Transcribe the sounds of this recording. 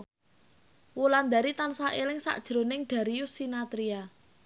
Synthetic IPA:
wuland̪a̤ɾit̪ansaʔelɪŋsa̰ʔd̥ʒ̥ɾo̤nɪŋɖ̪̥a̤ɾijʊsinat̪ɾia

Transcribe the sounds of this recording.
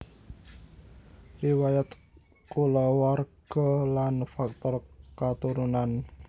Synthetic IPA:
riwajat̪ | kulɔwarɡ̥ɔlanfak̚t̪ɔrkat̪uɾunan

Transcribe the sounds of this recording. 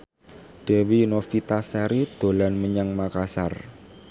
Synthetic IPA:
d̪̥ɛ̤winofit̪asaɾid̪̥o̤lanməɲəŋmakasar

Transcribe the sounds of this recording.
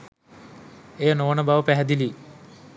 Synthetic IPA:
ejənoənəbaʋəpæɦɛd̪ili

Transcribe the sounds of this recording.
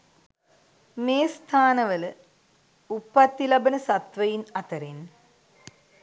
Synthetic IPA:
meːst̪ʰaːnɐʋɐlɨ | upːɐt̪ːilɐbɐnɐsɐt̪ʋɐjinɐt̪ɐɾen

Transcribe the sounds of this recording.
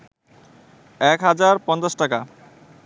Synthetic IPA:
ɛkɦad͡ʑaɾpɔnt͡ɕasʈaka̰

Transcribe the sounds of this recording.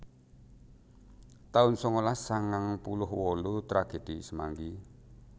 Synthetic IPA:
t̪aʊnsɔŋolasaŋaŋpulʊhwɔlut̪ɾaɡ̥e̤d̪̥i̤səma̰ŋɡi

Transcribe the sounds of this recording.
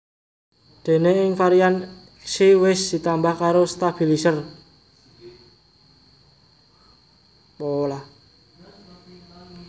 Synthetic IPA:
d̪̥e̤neɪŋfaɾian | siwɪsd̪̥i̤t̪ambahkaɾost̪ab̥i̤lisər | pola

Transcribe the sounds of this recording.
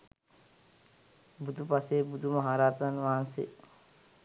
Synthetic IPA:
bud̪upaseːbud̪umɐɦaːɾaːt̪ənʋaːansḛ

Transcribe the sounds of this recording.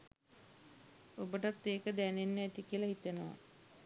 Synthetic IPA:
obəʈat̪ːeːkəd̪ænenːəæt̪ikiəlaɦit̪enəʋa̰

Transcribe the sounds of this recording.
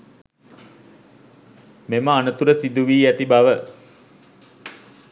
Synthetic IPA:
meməanət̪uɾəsid̪uʋiːæt̪ibaʋə

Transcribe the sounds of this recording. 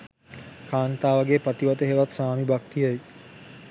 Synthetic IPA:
kʰaːnt̪aːʋaɡepat̪iʋat̪əɦeʋat̪saːmibak̚t̪ijəj

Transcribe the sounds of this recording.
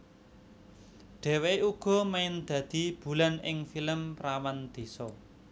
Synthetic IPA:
ɖ̥e̤weuɡ̥ɔ̤maɪnd̪̥ä̤d̪̥i̤b̥ṳlanɪŋfiləmpɾawand̪̥e̤sɔ

